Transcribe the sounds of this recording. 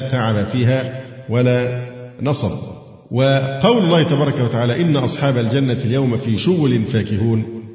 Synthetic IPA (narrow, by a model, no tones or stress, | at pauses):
t̪aʕabafiːɦaːwalaːnɑsˤɑb̰ | wɪqɑwlʊlːɑːhɪt̪ɑbɑːɾˤɑkawat̪aʕaːlæːʔɪnːaʔɑsˤħɑːbald͡ʒanːaljawmfiːʃʊɣʊlɪnfaːkɪhuːn